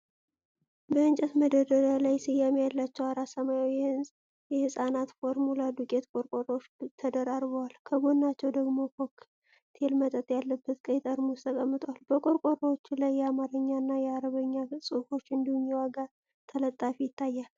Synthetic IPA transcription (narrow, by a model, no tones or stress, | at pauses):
bəɨnt͡ʃʼɛt̪məd̪əd̪əɾəlajsɨjːamejalːat͡ʃːɛwaɾasəmajawihɨnzʼ | jɛhɨsʼanat̪fo̞ɾmulad̪ukʼe̞t̪kʼoɾkʼoɾʼo̞t͡ʃːt̪ʰəd̪əɾaɾβəwalkʰəɡonːat͡ʃːɛwd̪əɡmo̞kʰokː | t̪ʰe̞lmət̪ʼət̪ʼjalːəbːət̪kʼəjt̪ʼəɾmust̪ʰəkʼəmːɨt̪ʰʼwalbəkʼo̞ɾkʼoɾot͡ʃːlajːɛamaɾɨɲːanːajɛaɾəβəɲːasʼɨko̞t͡ʃːɨnd̪ihumjɛwaɡa | t̪ʰələt̪ʼːafijɪt̪ʰːajːal